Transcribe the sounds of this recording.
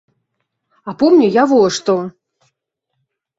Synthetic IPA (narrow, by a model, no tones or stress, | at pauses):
apɔmnʲujavɔʂt̪ɔ